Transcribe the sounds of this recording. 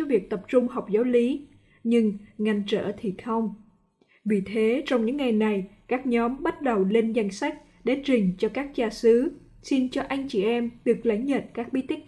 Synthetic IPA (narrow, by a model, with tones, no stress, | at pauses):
vi˨˩ək̚t̪ə˨˩p̚t͡ɕʊ˧ŋ͡mha˨˩wk͡p̚zaː˨˦wli˨˦ | ɲɨ˧ŋŋa˧˩jŋt͡ɕə̰ː˧˩˨t̪ʰi˨˩xʰə˧wŋ͡m | vḭ˧˩t̪ʰe˨˦t͡ɕɔ˧wŋ͡mɲɨ̰˧˥ŋːa˨˩jna˨˩jkaː˦˥k̚ɲɔ˨˦mɓa˦˥t̚ɗə˨˩wle˧nza˧jŋ̟sa˦˥k̟̚ | ɗe˧˩t͡ɕï˨˩ŋ̟t͡ɕɔ˧kaː˦˥k̚t͡ɕaː˧sɨ˨˦ | si˧nt͡ɕɔ˧ʔa˧jŋ̟t͡ɕi˨˩ʔɛ˧mɗɨ˨˩ək̚lə˧˩˦ŋzə̰ː˧˨nkaː˦˥k̚ɓi˨˦˥t̪ï˦˥ŋ̟